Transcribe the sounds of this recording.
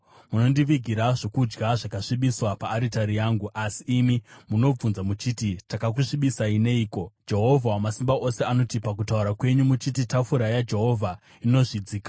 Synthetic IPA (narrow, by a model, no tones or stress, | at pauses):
muno̞ndiʋiɡʱiɾaʐo̞kud͡ʒɡaʐakaʂiɓiswapaːɾitaɾijaːŋɡuʔasiːmimuno̞b͡vunzamut͡ʃiːtitakak̬uʂiɓisaine̞iːko̞d͡ʒe̞ɦo̞vʱawamasimbaʔo̞se̞ano̞tipakutauɾakwe̞ɲumut͡ʃititafuɾajad͡ʒe̞ɦo̞vʱa | ino̞ʐid͡ziːkḁ